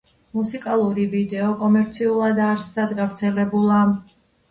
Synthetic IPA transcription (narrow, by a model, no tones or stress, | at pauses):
musikʼalˠuɾivid̪ɛɔkʼɔmɛɾt̪sʰiulˠad̪aɾsːad̪ɡavɾt̪sʰɛlɛbulˠa